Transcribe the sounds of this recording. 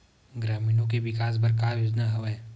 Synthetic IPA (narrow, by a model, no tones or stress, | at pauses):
ɡɾaːmiːnõk̬eʋɪkaːs̬bɐɾk̬aːjoːd͡ʒnaɦɐʋe